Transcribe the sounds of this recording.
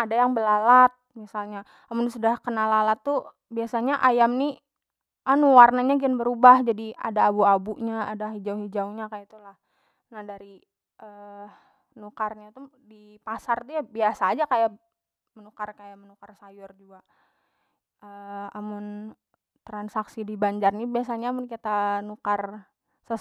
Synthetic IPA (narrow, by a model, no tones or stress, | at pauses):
adajaŋbəlalat̪̚misalɲa | amʊnsudahkənalalat̪ːu | biasaɲaʔajamni | ʔanuwarnaɲaɡianbəɾubahd͡ʒadia̰daːbuabuʔɲaadaɦid͡ʒauɦid͡ʒauɲakajat̪ulah | nahdaɾi | ʔə | nukarɲat̪udipasart̪ujabiasaːd͡ʒakaja | mənukarkajamənukarsajʊrd͡ʒuɡa | əamʊn | t̪ɾansaksidibaɲd͡ʒarnibiasaɲaːmʊnkit̪anukar | sə